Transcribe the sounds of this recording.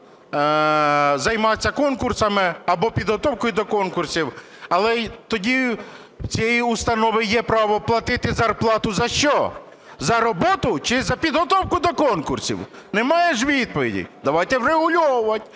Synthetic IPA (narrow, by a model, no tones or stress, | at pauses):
zɐjmɑt͡sʲːɐkɔnkʊrsɐmɪɐbɔpʲid̪ɦɔt̪ɔwkɔjʊd̪ɔkɔnkʊrsʲiw | ɐlˠɛt̪ɔdʲi | t͡sʲijɛjiʊst̪ɐnɔʋɪjɛpɾɑʋɔplˠɐt̪ɪt̪ɪzɐrplˠɑt̪ʊzɐʃt͡ʃɔ | zɐɾɔbɔt̪ʊt͡ʃɪzɐpʲid̪ɦɔt̪ɔwkʊd̪ɔkɔnkʊrsʲḭw | nɛmɑjeʃ̬ʋʲid̪̚pɔʋʲidʲḭd̪ɐʋɑjt̪ɛwɾeɦʊlʲɔwʊʋɐtʲ